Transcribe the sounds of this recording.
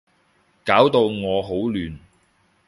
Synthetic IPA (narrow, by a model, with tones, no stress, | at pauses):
kaː˨˥wt̪o˧wŋɔː˨˧ɦo˨˥wlyː˨˧n